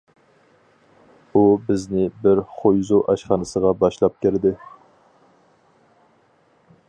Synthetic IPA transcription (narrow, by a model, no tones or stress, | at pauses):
ubɪznɪbɪɾχojzuʔɑʃχɑnɨsəʁɑbɑʃlˠɑp̚kʲɪɾd̪ɪ